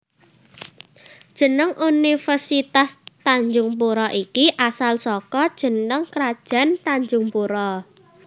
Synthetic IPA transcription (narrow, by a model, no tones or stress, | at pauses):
d̥ʒ̥ə̤nəŋʔunifərsit̪ast̪aɲd͡ʒʊŋp̬uɾɔʔikiʔasalsɔkɔd̥ʒ̥ə̤nəŋkɾad̥ʒ̥a̤nt̪aɲd͡ʒuʊŋpuɾɔ